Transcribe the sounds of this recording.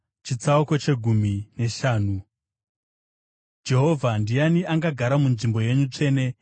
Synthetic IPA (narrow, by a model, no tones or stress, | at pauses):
t͡ʃit͡sauko̞t͡ʃe̞ɡʱumine̞ʃaːnu | d͡ʒe̞ɦo̞vʱandijaniʔaŋɡaɡʱaɾamunʐimbo̞je̞ɲut͡ʂe̞ːne̞